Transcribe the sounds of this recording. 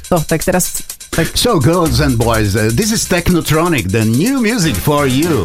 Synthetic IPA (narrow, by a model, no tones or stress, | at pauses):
ɔt̪ɛkt̪əɾɛst̪ | soʊɡɜ˞lˠzɛ̃nbɔɪzðɪs̬ɪz̥t̪ɛknotʰɹɔnɪk̚ðənjʉmjʉzɪkfɔɹju